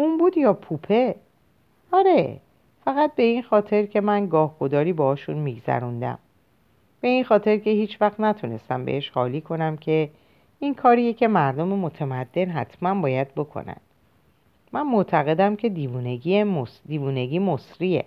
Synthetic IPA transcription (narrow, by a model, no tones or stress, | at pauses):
unbuːd̪jɒːpʰupʰe̞ | ɒɾe̞ | fæɣæt̪̚be̞inxɒːt̪ʰe̞ɾcʰe̞mænɡɒːhɡ̥o̞d̪ɒːɾiːbɒɒːʃunmiːɡzæ̰ɾund̪æ̰m | b̥e̞inxɒːt̪ʰe̞ɾce̞hiːt͡ʃʰvæxt̪næt̪ʰune̞̰st̪æmbḛʔeʃhɒːliːkʰo̞næmcʰe̞ | inkʰɒːɾijecʰe̞mæɾd̪o̞memo̞t̪ʰemæd̪ːe̞nɦæ̰t̪ʰmænbɒːjæd̪̚bo̞kʰo̞̰næ̰nd̪̥ | mʔænmoʔt̪ʰæɣe̞d̪æmcʰe̞d̪ivuːneɟiːemosd̪iːvuːne̞ɡiːmosɾije̞̰